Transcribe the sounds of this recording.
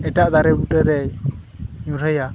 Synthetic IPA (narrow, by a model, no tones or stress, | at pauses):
ɛʈaʔd̪aɾɛbuʈɛɾɛj | ɲuɾəja